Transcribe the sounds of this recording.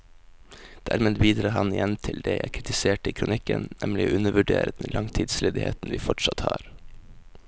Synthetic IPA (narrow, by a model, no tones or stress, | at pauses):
d̪̥æːɾmeːd̪biːd̪ɾɑːhɑnɪjɛnt̪ʰɪld̪eːjæɪkʰɾɪt̪ɪseːʈəiːkʰɾʊnɪkənnʔɛmlɪʔʉnəʋʉɖḛːɾəd̪ɛnlʔɑŋt̪ʰiːd̪sleːd̪ɪhḛːt̪nʋiːfɔʈsɑt̪hɑːɾ